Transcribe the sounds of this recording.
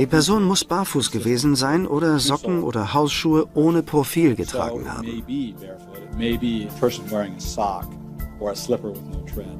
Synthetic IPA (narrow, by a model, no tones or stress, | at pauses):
d̥iːpʰɛɐzoːnmʊsb̥aɐfuːsɡ̥əveːzn̩zaɪnʔoːɾɐzɔkŋ̩ʔo̰ːdɐhaʊsʃuːəʔoːnəpʁ̥ofiːlɡətʁ̥a̰ːŋ̩ha̰ːbemɪbibɛɹfemeɪbiəpʰɜ˞sn̩wɛɹɪ̃ŋɨsɑk | ə˞əslɪpə˞wɪðnoʊtʰɹ̥ɛ̃d